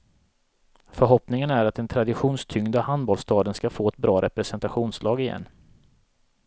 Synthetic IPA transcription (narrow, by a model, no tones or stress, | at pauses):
fœɾɦɔpnɪŋənæɾat̪̚d̪ɛnt̪ʰɾad̪ɪɧuːnst̪ʰʏŋd̪ahand̪bɔlst̪ɑːd̪ənskafoːɛt̪̚bɾɑːɾʔɛpɾɛsɛnt̪aɧuːnslɑːɡɪjɛ̰nː